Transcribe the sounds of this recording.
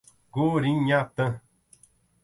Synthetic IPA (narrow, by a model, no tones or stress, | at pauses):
ɡoɾiŋɲat̪ə